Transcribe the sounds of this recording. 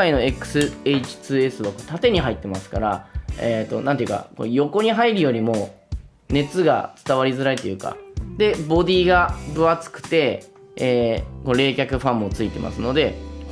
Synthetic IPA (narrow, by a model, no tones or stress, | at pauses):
aino̞ekɯ̟̥sɨe̞it͡ɕi̥t͡sɨːe̞sɨβakot̪at̪e̞ɲ̟iɦait̪ːe̞masɨ̥kaɾaet̪ːo̞̰nãnt̪ejɯ̟ka̰ko̰jo̞ko̞ɲ̟iɦaiɾɯ̟jo̞ɾʲimo̞ | ne̞t͡sɨɡa̰t͡sɨ̥t̪aβ̞aɾʲizɨɾait̪o̞jɯ̟ːka̰d̪e̞bo̞d̪ʲiːɡabɯ̟βat͡sɨ̥kɯ̟̥t̪e̞ː | koɾe̞ːkʲakɯ̟ɸãmːo̞t͡sɨit̪e̞̰mʔa̰sɨno̞d̪e̞